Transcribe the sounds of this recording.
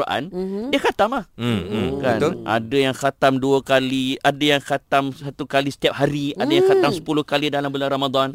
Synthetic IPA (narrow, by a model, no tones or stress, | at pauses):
ʔa̰ndiakat̪amlah̩ | kanʔa̰dajaŋxat̪amduəkaliadajaŋxat̪amsat̪ukalisə̥t̪iap̚haɾiadajaŋkat̪amsə̥pulʊhkalidalambəlanramad̪an